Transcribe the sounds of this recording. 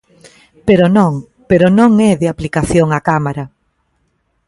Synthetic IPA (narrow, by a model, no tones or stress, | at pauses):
peɾonõŋ | peɾonõŋɛðɪaplikaθjoŋakamaɾa